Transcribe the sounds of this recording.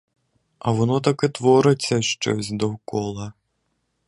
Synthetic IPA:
ɐʋɔnɔt̪ɐkɪt̪ʋɔɾɪt͡sʲːɐʃt͡ʃɔ̰sʲd̪ɔkɔlˠɐ

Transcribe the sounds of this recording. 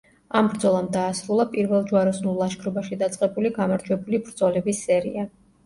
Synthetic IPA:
ambɾd̪zɔlˠamd̪aːsɾulˠapʼiɾvɛlˠd͡ʒuaɾɔsnulˠːaʃkʰɾɔbaʃid̪at̪sʼqʼɛbuliɡamaɾd͡ʒwɛbulibɾd̪zɔlɛbisːɛɾḭa

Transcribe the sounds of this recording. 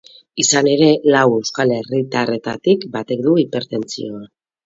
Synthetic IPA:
isane̞ɾe̞lawe̞wskale̞rit̪are̞t̪a̰t̪ikbat̪e̞k̚d̪uipe̞ɾt̪e̞nt͡sḭo̞a

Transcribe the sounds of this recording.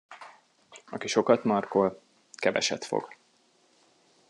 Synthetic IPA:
ɒ̰kiʃo̞kɒt̪mɒrkol | kɛvɛ̰ʃɛt̪fo̰ɡ̥

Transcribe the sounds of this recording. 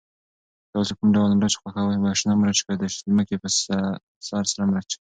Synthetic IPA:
t̪awosokʊmɖawlmɾat͡ʃxwʷaxawabɑʃnɑmɾat͡ʃkad̪aʃlməkepəs | sɑɾsaɾamɾat͡ʃ

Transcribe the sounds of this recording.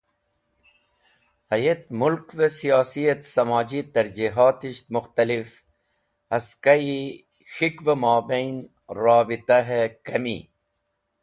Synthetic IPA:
hɐjet̪mulkvesijɑːsijɐt̪sɐmɑːd͡ʑit̪ɐɾd͡ʒiɦɑːt̪iʃt̪mʊxt̪ɐlif | ɐskaji | xikvemɑːbejn | ɾɑːbit̪aɦekɐmḭ

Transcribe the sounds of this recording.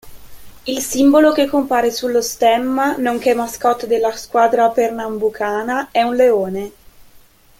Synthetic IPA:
ilsimbolok̟ekːompaːɾesulːost̪ɛmːanoŋk̟emːaskɔt̪ːd̪elːaskwaːd̪ɾapernambukʰaːnaɛunleoːne

